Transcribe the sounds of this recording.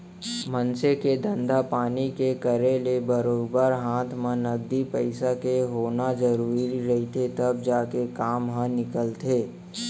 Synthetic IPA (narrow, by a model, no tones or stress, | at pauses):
mənseked̪ə̃nd̪apaːnikekəɾelebəɾoːɡbəɾɦãːt̪ʰmãnɐɡ̚d̪ipəɪsakeɦoːnad͡ʒəɾuːɾiɾɐɦit̪ʰet̪ɐb̚d͡ʒaːkekaːmɦə̃nɪkəlt̪ʰeː